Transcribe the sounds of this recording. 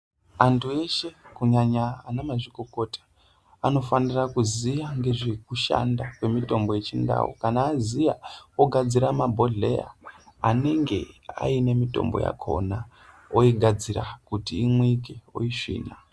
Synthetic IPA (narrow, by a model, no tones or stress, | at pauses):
antʰue̞ʃe̞kuɲaɲaːnamaʐikoko̞tʰḁ | ano̞fanirakuzijaŋɡe̞ʐekuʃa̰ndakwe̞mito̞mbo̞je̞t͡ʃinda̰wṵkanaːzijaoɡʱad͡ziɾamabʱo̞ɮe̞̰ja̰ane̞ŋɡe̞̰a̰ine̞mito̞̰mboja̰kʰo̞̰na | oiɡʱad͡ziɾakutiːmwik̬eo̰iʂḭːna